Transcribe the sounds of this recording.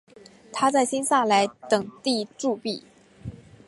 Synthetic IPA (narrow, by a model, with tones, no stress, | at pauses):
t̪ʰa˥t͡sa˥˩ɪɕi˥nsa˥˩la˧˥ɪt̪ɤ˨˩ŋt̪i˥˧ʈ͡ʂu˥˧pi˥˩